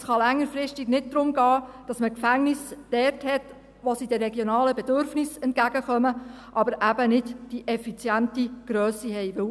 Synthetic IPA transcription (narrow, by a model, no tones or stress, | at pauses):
sχɑlæŋːəɾfɾɪstiɡnɪd̚d̥̪ɾʊmɡɑːd̥ɑsməkfæŋnɪsd̥ɛrthɛt | ʋosid̥ɛrɛɡjonɑːləbɛdøɾfnɪsɛnt̚kæɡ̥əχœmə | ʔɑbəɾʔæbənɪdd̥iʔɛfit͡sjæntiɡ̥ɾœːsiɦɛɪʋɪw